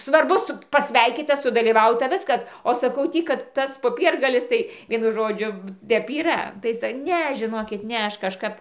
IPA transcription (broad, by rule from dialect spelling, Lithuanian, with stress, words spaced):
sʋɐrˈbʊ ˈsʊ pɐˈsʲʋʲɛɪkʲiːtɐ sʊdɐlʲiːˈʋɐʊtɐ ˈʋʲɪskɐs oː sɐˈkɐʊ ˈtʲiː kɐt ˈtɐs poːˈpʲiɛrɡɐlʲɪs ˈtɐɪ ˈʋʲiɛnʊ ˈʒoːd͡ʒʲʊ ˈtʲɛp iːˈrɐ ˈtɐɪ ˈnʲɛ ʒʲɪˈnoːkʲɪt ˈnʲɛ ˈɐʃ kɐʃˈkɐp